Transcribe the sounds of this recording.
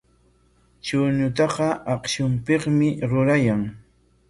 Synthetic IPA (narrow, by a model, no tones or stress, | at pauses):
t͡ʃʊɲʊt̪ɑqɑʔɑqʃʊmpeχmɪɾʊɾajaŋ